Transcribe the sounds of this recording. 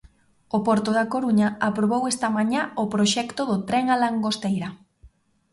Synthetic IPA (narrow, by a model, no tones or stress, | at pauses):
opɔɾt̪ʊðakoɾuɲɐapɾoβ̞owɛst̪ɐmaɲaʊpɾoʃɛkt̪ʊðʊt̪ɾɛŋalaŋɡost̪ejɾɐ